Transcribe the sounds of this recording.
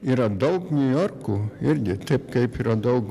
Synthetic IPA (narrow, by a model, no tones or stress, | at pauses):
iːɾɐd̪ɐʊknʲujorkuːɪɾʲɡʲɪt̪ɐɪpkɐɪpiːɾɐd̪ɐʊk